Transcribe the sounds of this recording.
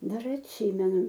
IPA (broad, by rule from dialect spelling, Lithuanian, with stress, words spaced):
dɐr ɐtʲˈsʲiːmʲɛnʊ